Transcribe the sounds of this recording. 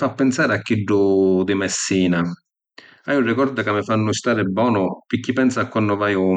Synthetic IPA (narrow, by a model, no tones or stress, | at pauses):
fapːɛnsaːɾɪakːiɖːʊd̪ɪmɛsːiːna | ajurɪkɔɾd̪akamːɪfanːʊɪst̪aːɾɪbːɔːnʊpɪkːipɛnsakːwanːʊvaːjʊ